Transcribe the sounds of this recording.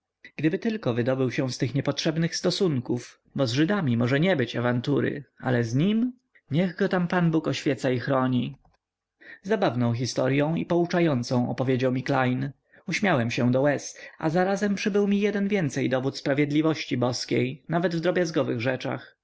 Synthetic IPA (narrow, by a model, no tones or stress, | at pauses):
ɡ̥d̪ɘbɘt̪ɘlkɔvɘd̪ɔbɘwɕɛw̃st̪ɘxɲɛpɔtʂɛbnɘxst̪ɔsuŋkuf | bɔzʐɘd̪amʲimɔʐɛɲɛbɘt͡ɕavant̪uɾɘ̰a̰lɛzɲim | ɲɛɣɡɔt̪ampanbukɔɕfʲjɛt̪saixɾɔɲi | zabavnɔ̃w̃x̬ʲist̪ɔɾjɔ̃w̃ḭpɔut͡ʂajɔnt̪sɔ̃w̃ɔ̰pɔvʲjed͡ʑawmʲiklajn | uɕmʲjawɛmɕɛw̃d̪ɔwɛsa̰zaɾazɛmpʂɘbɘwmʲijɛd̪ɛnvʲjɛnt̪sɛjd̪ɔvut̪spɾavʲjɛd̪lʲivɔɕt͡ɕibɔskʲejnavɛd̪vd̪ɾɔbʲjazɡɔvɘɣʐɛt͡ʂa̰x